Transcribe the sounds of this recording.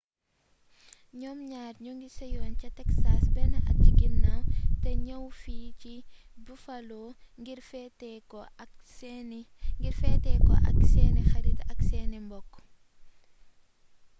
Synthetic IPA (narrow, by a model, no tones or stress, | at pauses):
ɲɔːmɲaːrɲɔŋɡisɔjɔːncɐtɛksaːsbɛnɐɐ̰tiɡinatɛɲɐwfiːci | bufɐlɔɡiɾfɛtɛɔ | ŋɡirfɛtɛkɔ̰ʔɐ̰ksɛnɛxɐɾitɐksɛːnɛmbɔkːɔ̥